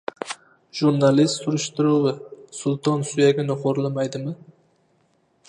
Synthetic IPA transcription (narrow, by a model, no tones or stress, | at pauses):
ʒ̥uɾnalist̪sʊɾɪʃt̪ɪɾuwɪsʊlˠt̪ʰɒnsʊjaɡʲanɪqʰoɾlɪmajd̪ɪmɪ